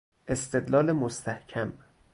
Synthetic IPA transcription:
ʔe̞st̪ed̪lɒːlemost̪ʰæhcʰæm

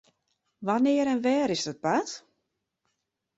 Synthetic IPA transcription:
ʋanɪːəɾɛnʋɛːɾɪsdɔt̚pat

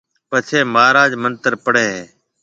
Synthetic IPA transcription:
pət͡ʃʰeːmaːɾaːd͡ʒmənt̪əɾpəɽeːɦeː

